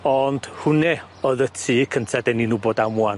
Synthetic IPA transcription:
ɔnd̥hʊnɛ | ɔðətʰiːkʰəntʰadɛninuboːdamwan

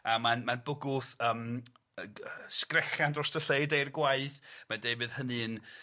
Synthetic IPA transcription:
amanmanbʊɡʊðəːm | əskrɛχjandɔstəɬejdejrɡwaɨθmandejbɨðhənɨn

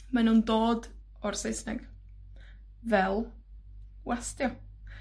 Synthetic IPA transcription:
manuːndoːd | ɔrsejsnɛɡ̥ | vɛlˠ | wastjɔ

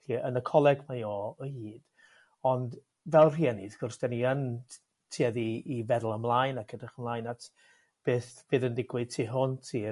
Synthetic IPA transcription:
ɬiənəkʰɔlˠɛɡmajɔəhiːd̥ | ɔnd | vɛlˠr̥iːaniɡʊrsd̥ɛniən | tʰiːaðiːvɛðlˠəmlˠajnakʰədaχəmlˠaːjnatʰ | b̥eːθb̥ɨːðəndɪɡwɨd̥̚tʰiːɦʊntʰiː

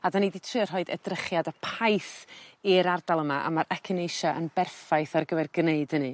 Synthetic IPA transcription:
adaniditʰrɨːr̥ɦɔɨdɛ̰drəχjadəpʰaɨθiɾardalˠəmaʔa̰maɾʔɛkʰɪnejʃaʔənbɛrfajθarɡəvɛrɡneɨdənɨ

